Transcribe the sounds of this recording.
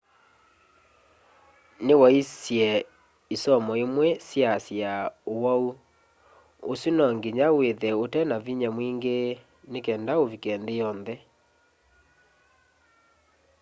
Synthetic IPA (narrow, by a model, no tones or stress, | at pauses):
newaisjɛ | isɔmɔemwɛsjasjaowau | osjunɔŋɡiɲaweðɛotɛnaviɲamwiŋɡe | nekɛːndaovikɛnðejɔnðɛ